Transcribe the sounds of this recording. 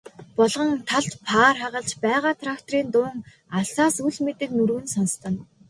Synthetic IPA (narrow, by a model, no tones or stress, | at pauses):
pɔɮʁə̆ŋt̪ʰaɮt̪pʰaːrχaʁə̆ɮt͡ɕpæːʁaːt̪ʰrakt̪riːnt̪ʊːŋ | aɮsaːsuɮmet̪ɘ̆knuɾwɘ̆nsɔnst̪ə̆n